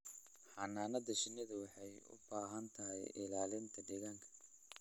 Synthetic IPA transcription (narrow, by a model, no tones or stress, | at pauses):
ħɑnaːnɐd̪ɐʃɪnːɪðɐwɑħɑjʊ̰baːɦɐnt̪ʰɐɦɛjɪ̰laːlɪnt̪ʰɐɖɛɣaːŋkʰɐ̥